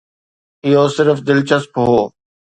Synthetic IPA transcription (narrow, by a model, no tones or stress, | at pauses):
ɪɦoːsɪɾfd̪ɪlt͡ɕəspɦoː